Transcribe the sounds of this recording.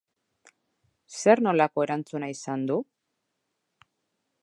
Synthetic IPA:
se̞ɾno̞lako̞e̞ɾant͡sunaisand̪u

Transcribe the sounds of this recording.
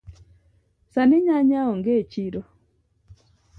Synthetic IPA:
sanɪɲaɲaɔŋɡet͡ʃiɾɔ

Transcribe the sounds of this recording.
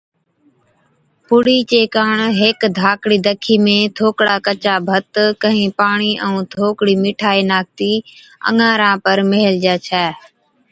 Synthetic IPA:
pʊɽiːt͡ʃeːkaːɳɦekd̪ʱaːkɽiːd̪əkʰiːmẽːt̪ʰoːkɽaːkət͡ʃaːbʱət̪kəɦĩːpaːɳiːʔə̃ũːt̪ʰoːkɽiːmɪʈʰaːiːnaːk̚t̪iː | ə̰ŋãːɾãːpəɾmeɦld͡ʒɛːt͡ʃʰɛː

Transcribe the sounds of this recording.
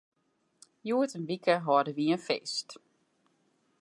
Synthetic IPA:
juːətənʋikʰəɦɔdəʋiənfḛst

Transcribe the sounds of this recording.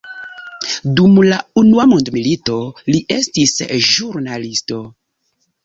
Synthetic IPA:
dumlaunuamundmilito̞liʔe̞stisʒuɾnalisto̞

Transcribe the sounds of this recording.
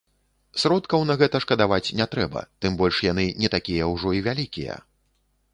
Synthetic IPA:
sɾɔt̪kɐwnɐɣɛt̪ɐʂkɐd̪avat͡sʲnʲɛt̪ɾɛbɐ̰t̪ɨmbɔlʲʂjanɨnʲɛt̪akʲijɐwʐɔivʲalʲikʲijɛ̰

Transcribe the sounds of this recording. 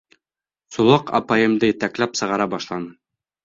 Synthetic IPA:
sŭlˠɑqɑ̰pajɤ̆md̪ɤjɘ̆t̪æklæpsɤ̆ʁɑɾɑbɑʃlˠɑnɤ

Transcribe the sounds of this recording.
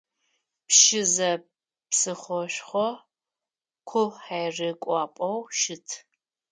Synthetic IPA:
pʃɪzɐ | psɨχʷɔɕʷχʷɔ | kʷʰʊħajrɨkʷʼɑːpʼɐwʃɪtʰ

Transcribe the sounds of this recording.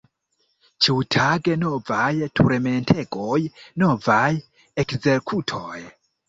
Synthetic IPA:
t͡ʃiutʰaɡeno̞vajtʰuɾme̞ntʰe̞ɡojno̞vaj | ekze̞ɾkʰutʰoj

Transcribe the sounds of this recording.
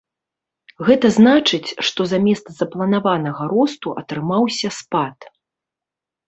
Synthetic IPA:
ɣɛt̪ɐznat͡ʂɨt͡sʲʂt̪ɔzamʲɛst̪szɐplˠɐnavanɐɣɐɾɔst̪uʔɐt̪ɾɨmawsʲɐspat̪

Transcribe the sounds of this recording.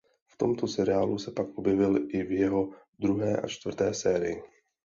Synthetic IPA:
ft̪omt̪osɛɾɪaːlusɛpakʔobjɛvɪlʔɪvjɛɦo | d̪ɾuɦɛːʔa̰t͡ʃt̪vr̩t̪ɛːsɛːɾɪjɪ

